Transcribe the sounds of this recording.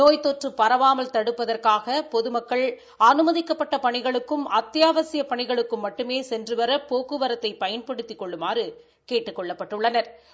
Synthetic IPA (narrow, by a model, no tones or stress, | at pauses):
noːjt̪oːʈrɯpːɐɾɐʋaːmɐlt̪ɐɽɯpːɐðɐrkaːɣɐpɔðɯmɐkːɐɭ | ɐnɯmɐðɪkːɐpːɐʈːɐpɐɳɪɣɐɭɯkːɯmɐt̪ːɪjaːʋɐsɪjɐpɐɳɪɣɐɭɯkːɯmːɐʈːɯmeːsɛndrɯʋɐɾɐpoːkːɯʋɐɾɐt̪ːɐɪpɐjɐnpɐɽɯt̪ːɪkːɔɭːɯmaːrɯ | keːʈːɯkːɔɭːɐpːɐʈːɯɭːɐnɐɾ